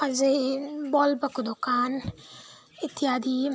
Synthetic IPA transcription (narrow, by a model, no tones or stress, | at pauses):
ɐzebɔːlbɐkud̪ʊkaːn | ɪt̪ːiaːd̪i